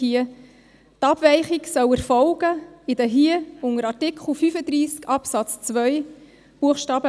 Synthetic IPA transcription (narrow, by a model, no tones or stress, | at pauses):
iə | tɑbvɛɪχiksœwɛɾfɔlɡəid̪əɦiəʊŋəɾɑɾtɪkʰχl̩fyfəd̪ɾiːskʰɑpsɑt͡st͡sʋœʏ | b̥uəχʃtɑːbə